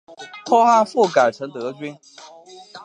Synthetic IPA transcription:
t̪ʰɔ˥xa˥˧fu˥˩ka˨˩ɪʈ͡ʂʰɤ˧˥ŋt̪ɤ˧˥t͡ɕɥi˥n

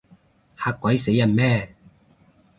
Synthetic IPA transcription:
haː˧kːwɐ˨˥jse˨˥jːɐ˨˩nmɛː˥˨

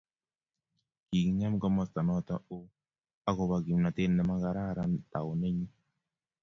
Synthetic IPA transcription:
ki˨ɣi˦ɲa˦m˦ka˦mɔ˦˨sta˨nɔ˦ta˦o˦ | a˦ɣo˨βa˨ɣi˨m˨na˨te˦n˦ne˦ma˦ɣa˨ɾa˦ɾa˦ta˨o˨ne˦ɲi˦

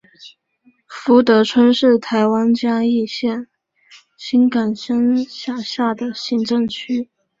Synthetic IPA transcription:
fu˧˥t̪ɤ˧˥ʈ͡ʂʰwə˥nʂɻ̩˥˩t̪ʰa˧˥ɪwa˥nt͡ɕja˥i˥˧ɕjɛ˥˩n | ɕi˥nka˨˩nɕə˥nɕja˥˩ɕja˥˩d̪ə˩ɕi˧˥ŋʈ͡ʂɤ˥˧ŋt͡ɕʰy˥

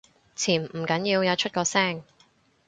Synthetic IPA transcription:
t͡sʰiː˨˩nm̩˨˩kɐ˨˥njiː˧wjɐ˨˧wt͡ʃʰɵ˥t̚kɔː˧sɛː˥˩ŋ

